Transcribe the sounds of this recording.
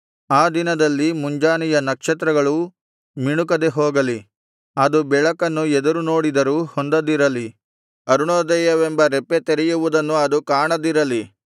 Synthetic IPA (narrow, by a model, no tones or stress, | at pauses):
aːd̪inɐd̪ɐlːimuɲd͡ʒaːnijɐnɐkʂɐt̪̬ɾɐɡɐɭu | miɳukɐd̪e̞ɦoːɡɐli | ɐd̪ubɛɭɐkɐnːuɛd̪ɐɾuno̞ːɽid̪ɐɾuhond̪ɐd̪iɾɐli | ɐɾuɳoːd̪ɛjɐʋembɐɾɛpːet̪eɾɛjuʋud̪ɐnːuɐd̪ukaːɳɐd̪iɾɐli